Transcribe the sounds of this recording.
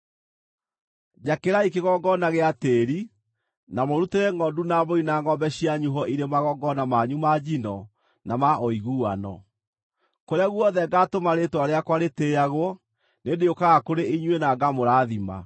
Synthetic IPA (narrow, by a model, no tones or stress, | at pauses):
d͡ʑakeɾaikeɣɔɡɔnaɣeateɾi | namoɾuteɾeŋɡɔndunaboinaŋɡɔbɛɕiaɲuɦɔʔiɾemaɣɔɡɔnamaɲumad͡ʑinɔ | namaʔɔiɣuanɔ̰ | koɾeaɣuɔðɛɡaːtomaɾetwaɾeakwaɾeteaɣwɔ | nendeokaɣakoɾeiɲwenaɡamoɾaːðima̰